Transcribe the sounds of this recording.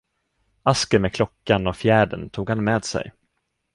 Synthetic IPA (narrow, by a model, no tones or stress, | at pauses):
askəmeːkʰlɔkːanɔfjæːɖə̰nt̪ʰuːɡhanmeːd̪sɛ̰j